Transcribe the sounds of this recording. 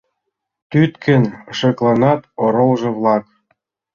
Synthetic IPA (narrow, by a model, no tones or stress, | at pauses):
t̪yt̪kʰə̆nʃɤ̆klˠɑnɑt̪oɾolʒɤ̆βlˠɑk